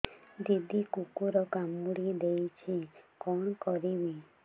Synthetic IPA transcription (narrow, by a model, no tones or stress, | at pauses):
d̪id̪ʱikukuɾɔkamuɽid̪ejt͡ʃʰikɔɳkɔɾibi